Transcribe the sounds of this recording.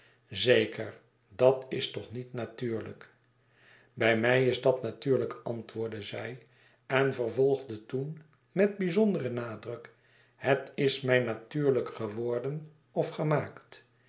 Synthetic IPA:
zejkʰəɹ | dɑtɪstɔχnitnatyːɹlə̰k | bɛjmɛjɪzdɑtnatyːɹləkɑntʋʊːɹdəzɛj | ɛnvərvɔlˠχdətun | mɛd̚bizɔndərənaːdrɵk | hətɪsmɛjnatyːɹləkχəʋɔɹdən | ɔfχəmaːkt

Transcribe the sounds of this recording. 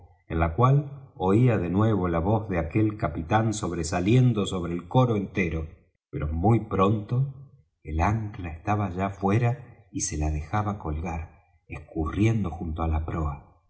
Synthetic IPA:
enlakwalo̞iaðe̞nwe̞β̞o̞laβo̞zðeake̞lkapit̪anso̞β̞ɾesalje̞nd̪o̞so̞βɾe̞ːlko̞ɾoent̪eɾo̞ | peɾo̞mujpɾo̞nt̪o | elaŋklaest̪aβaʒafwe̞ɾaise̞laðe̞xaβako̞lɣaɾ | ehkurje̞nd̪o̞xunt̪oalapɾoa

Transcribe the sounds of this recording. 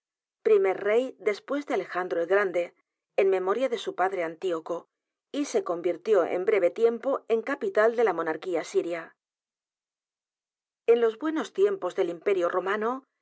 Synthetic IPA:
pɾime̞ɾre̞jd̪e̞spwe̞zðe̞ale̞xand̪ɾoeɣɾand̪e̞ː | nme̞mo̞ɾjaðe̞supaðɾe̞ant̪ioko̞ | ise̞ko̞mbiɾt̪jo̞ʔḛmbɾe̞β̞e̞t̪je̞mpo̞eŋkapit̪ald̪e̞lamo̞naɾkiasiɾja | e̞nlo̞zβwe̞no̞st̪je̞mpo̞zðe̞limpe̞ɾjoromano

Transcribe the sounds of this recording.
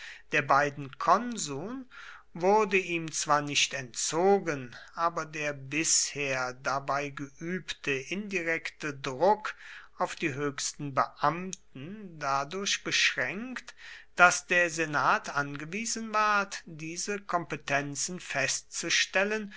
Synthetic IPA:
d̥eːɐbaɪdn̩kʰɔnzuːnvʊʁdəiːmt͡sv̥aːɐnɪçtɛntt͡soːɡənʔaːbɐdeːɐbɪsheːɐdabaɪɡəʔyːptʰəʔɪndiʁɛktədʁʊkʔaʊfd̥iːɦøːçstn̩bəʔamtn̩dadʊɐçb̥əʃʁɛŋkktd̥asd̥eːɐzenaːtʰʔanɡəviːzənvaɐtd̥iːzəkʰɔmpətʰɛnt͡sn̩fɛstt͡suʃtɛlən

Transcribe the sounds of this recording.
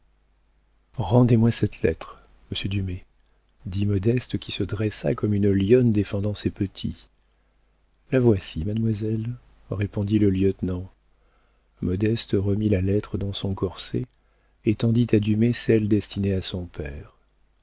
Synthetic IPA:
ʁɑ̃d̪emwasɛt̪lɛ̰t̪χ | məsjəd̪yme | d̪imɔd̪ɛst̪əkʲisəd̪ʁɛsa̰kɔmynəljɔnd̪efɑ̃d̪ɑ̃sɛpət̪ʰḭ | lavwasimad̪mwazɛl | ʁepɔ̃d̪iləljœt̪nɑ̃ | mɔd̪ɛst̪əʁəmilalɛt̪χəd̪ɑ̃sɔ̃kɔʁsḛ | et̪ɑ̃d̪it̪ad̪ymesɛld̪ɛst̪ineasɔ̃pɛːʁ

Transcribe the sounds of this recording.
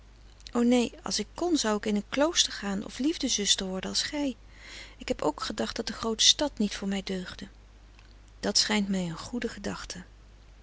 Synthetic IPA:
ʔownejɑ̰lˠsɪkːɔnzʌwɪkɪnənklowstəɹχaːnɔ̰flivdəzʏstəɹʋɔɹdənɑlˠsχɛj | ɪkɦɛpo̰wkχədɑχtd̥ɑt̚dəχrowtə̥stɑtnitfʊːɹmɛjdøɥχdə | d̥ɑtsχɛjntmɛjənχudəχədɑχtʰə

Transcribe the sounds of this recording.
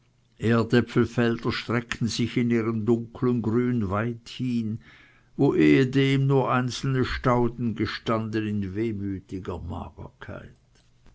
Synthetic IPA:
ʔeːɐdɛpfl̩fɛldɐʃtʁ̥ɛktn̩zɪçɪniːʁəndʊŋkʰlənɡʁyːnvaɪthiːn | voːʔeːədeːmnuːɐʔaɪnt͡sl̩nəʃtaʊdn̩ɡəʃtandənɪnveːmyːtɪɡɐma̰ːɡ̥ə̰kʰa̰ɪt

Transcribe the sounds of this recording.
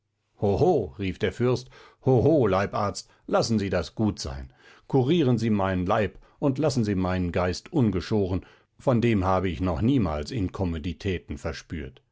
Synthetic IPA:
hohoːʁiːfd̥eːɐfʏɐst | hoɦoːlaɪpʔaːɐt͡st | lasn̩ziːdasɡ̥uːtz̥a̰ɪn | kʰuʁiːʁənziːmaɪnənlaɪpʔʊntlasn̩ziːmaɪnənɡaɪstʔʊnɡəʃoːʁən | fɔndeːmɦaːbəɪçnɔχniːma̰ːlsɪnkʰɔmoditʰɛːtn̩fɛɐʃpy̰ːɐt

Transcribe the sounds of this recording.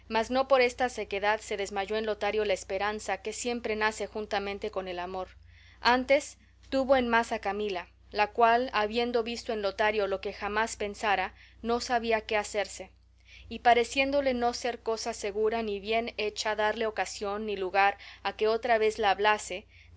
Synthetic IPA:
mazno̞po̞ɾe̞st̪ase̞ke̞ðaðse̞ðe̞zmaʝo̞enlo̞t̪aɾjo̞laespe̞ɾansake̞sje̞mpɾe̞nase̞xunt̪amẽnt̪e̞ko̞ne̞lamo̞ɾ | ant̪e̞s | t̪uβo̞e̞nmasakamila | lakwalaβje̞nd̪o̞βist̪o̞ẽ̞nlo̞t̪aɾjo̞lo̞ke̞xamaspe̞nsaɾano̞saβiake̞ase̞ɾse̞ | ipaɾe̞sje̞nd̪o̞le̞no̞se̞ɾko̞sase̞ɣuɾaniβje̞ne̞t͡ʃaðaɾle̞o̞kasjo̞nːiluɣaɾake̞o̞t̪ɾaβe̞zlaːβlase̞

